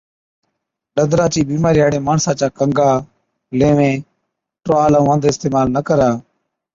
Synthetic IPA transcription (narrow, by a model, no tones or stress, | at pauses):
ɗəd̪ɾaːt͡ʃiːbiːmaːɾiːɦaːɽẽːmaːɳsãːt͡ʃaːkəŋɡaː | lẽːʋẽː | ʈɾaːlãːʋə̃nd̪ɪst̪eːmaːlnəkəɾaː